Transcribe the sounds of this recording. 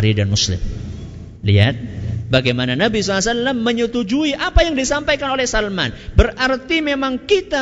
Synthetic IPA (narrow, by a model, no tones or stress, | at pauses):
ɾidanmuslɪ̰m | lia̰t̪̚baɡajmananabisalasallamːəɲət̪ud͡ʒuiʔapajaŋdisampajkanolɛhsalmanbərʔart̪imemaŋkit̪a